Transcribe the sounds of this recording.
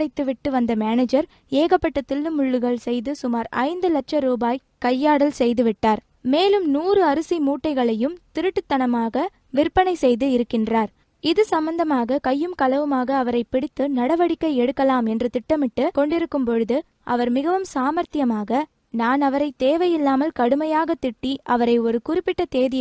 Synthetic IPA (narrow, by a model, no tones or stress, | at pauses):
ɽɐɪt̪ːɯʋɪʈːɯʋɐnd̪ɐmaːneːd͡ʒɐɾ | eːɣɐpːɐʈːɐt̪ːɪlːɯmʊɭːɯɣɐɭsɛjðɯsʊmaːɾɐ̰ɪnd̪ɯlɐʈ̚t͡ʃɐɾuːbaːj | kɐjːaːɽɐlsɛjðɯʋɪʈːaːɾ | meːlɯmnuːrɯɐɾɯsimuːʈːɐɪɣɐɭɐjɯmt̪ɪɾɯʈːɯt̪ːɐnɐmaːɣɐ | ʋɪrpːɐnɐɪsɛjðɯɪɾɯkːɪndraːɾ | ɪðɯsɐmbɐnd̪ɐmaːɣɐkɐjːɯmkɐlɐʋɯmaːɣɐːʋɐɾɐɪpːɪɽɪt̪ːɯnɐɽɐʋɐɽɪkːɐɪɛɽɯkːɐlaːmɛndrɯt̪ɪʈːɐmɪʈːɯkɔɳɖɪɾɯkːɯmpɔɻɯðɯ | ʔɐ̰ʋɐɾmɪɣɐʋɯmsaːmɐɾt̪ɪjɐmaːɣɐ | naːnɐʋɐɾɐɪt̪eːʋɐjɪlːaːmɐlkɐɽɯmɐjaːɣɐt̪ɪʈːiʔɐʋɐɾɐɪɔɾɯkʊrɪpːɪʈːɐt̪eːðɪ